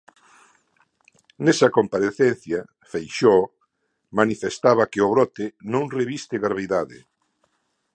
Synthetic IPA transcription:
nesɐkompaɾeθen̟θja | fejʃɔ | manifest̪aβɐkeʊβɾɔt̪enõŋreβist̪eɣɾaβeðaðɪ̰

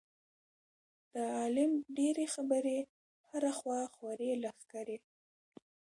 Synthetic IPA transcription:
d̪̥əɑlɪmɖeɾexabəɾe | haɾaxwɑxwaɾelaxkaɾe

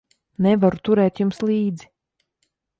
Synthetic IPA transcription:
nɛvaɾut̪uɾɛːt̪jumslˠiːd̪zi

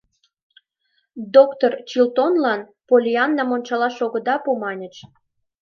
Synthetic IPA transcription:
d̪okt̪ort͡ɕilt̪onlɑn | polʲiɑnːɑmonʲt͡ɕɑlɑʃoɣə̆d̪ɑpumɑnʲə̆t͡ʃ

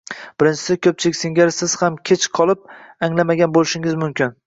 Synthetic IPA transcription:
b̥ɪɾɪnt͡ʃʰɪ̥sɪkʲʰɵp̚t͡ʃʰɪlɪkʲsɪŋɡʲaɾsɪz̥hamkʲʰet͡ʃqʰɒlˠɪp̚aŋlamaɡʲanbolˠɪʃɪŋɪzmʊmkʲɪn

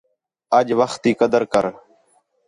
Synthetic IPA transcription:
əd͡ʒʋəxt̪iːkəd̪əɾkəɾ

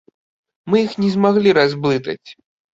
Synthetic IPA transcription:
mɨjixnʲɛzmaɣlʲiɾazblˠɨt̪ɐ̰t͡sʲ

